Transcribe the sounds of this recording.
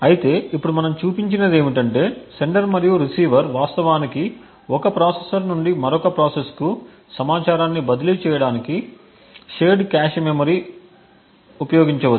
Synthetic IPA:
ɐjit̪e̞ːʔipːuɽumɐnɐmt͡ʃuːpiɲt͡ʃinɐd̪e̞ːʋiʈɐɳʈe̞ːse̞ɳɖɐɾmɐɾijuɾisiːʋɐɾʋaːst̪ɐʋaːniki | ɔkɐpɾaːsesɐɾnuɳɖimɐɾɔkɐpɾaːsesku | sɐmaːt͡ʃaːɾaːnːibɐd̪ɐlit͡ʃɛːjɐɽaːniki | ʃeːɖkaːʃmemɐɾi | upɐjoːɡiɲt͡ʃɐʋɐu

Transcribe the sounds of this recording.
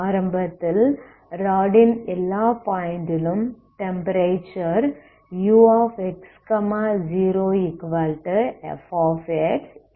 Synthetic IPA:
aːɾɐmbɐt̪ːɪl | ɾaːɖɪnɛlːaːpaːjɪnd̪ɪlɯm | ʈɛmpɐɾeːt͡ʃɐɾ | juːaːfekskɐmad͡ʒiːɾoːikʋɐlʈɛ̰faːfeʈs

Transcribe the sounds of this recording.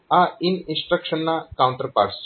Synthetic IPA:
ainĩnsʈɾəkʃənːakaw̃ɳʈəɾpa̰ɾs

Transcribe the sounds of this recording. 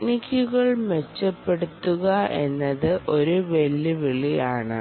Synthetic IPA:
nikʲːuɣɐɭmet͡ɕːɐpːe̞ɽut̪ːuɣɐe̞̰nːɐðɨʔo̞ɾuʋelːiʋiɭijaːɳɨ̰

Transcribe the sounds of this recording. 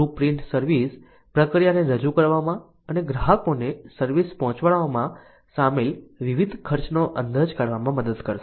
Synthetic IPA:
upɾiɳʈsəɾʋis | pɾəkɾijaneɾəd͡ʒukəɾʋamã | əneɡɾaɦəkonesəɾʋispɔɦɔ̃t͡ʃʋaɭaomã | samelʋiʋid̪ʱkʰəɾt͡ʃnoʔənd̪əd͡ʒkaɾʋamãməd̪əd̪kəɾʃ

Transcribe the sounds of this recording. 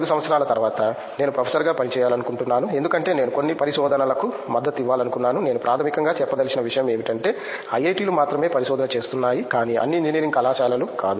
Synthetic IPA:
d̪usɐmʋɐt̪sʰɐɾaːlɐt̪ɐɾʋaːt̪ɐ | ne̞ːnupɾɐpʰesɐɾɡaːpɐnit͡ʃɛːjaːlɐnukuɳʈunːaːnue̞nd̪ukɐɳʈe̞ːneːnuko̞nːipɐɾiʃɔːd̪ʱɐnɐlɐku | mɐd̪ːɐt̪ːiʋːaːlɐnukunːaːnune̞ːnupɾʔaːt̪ʰɐmikɐŋɡaːt͡ʃɛpːɐd̪ɐlisinɐʋiʂɐjɐme̞ːmiʈɐɳʈe̞ː | ɐjejʈiːlumaːt̪ɾɐme̞ːpɐɾiʃɔːd̪ɐnɐt͡ʃe̞ːst̪unːaːjikaːniːʔɐ̰nːiːɲd͡ʒiniːɾiŋɡɐlaːt͡ʃaːlɐlukaːd̪u

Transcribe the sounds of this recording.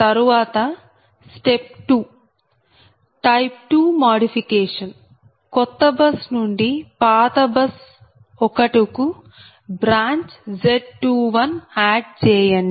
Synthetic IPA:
t̪ɐɾuʋaːt̪ɐ | sʈep̚ʈu | ʈɐjp̚ʈuːmaːɖipʰikɛːʂɐn | kɔt̪ːɐbɐsnuɳɖipaːt̪ɐbɐs | ɔkɐʈuku | bɾaːɲt͡ʃd͡ʒeɖʈuʋɐnaːɖ̚t͡ʃɛːjɐni

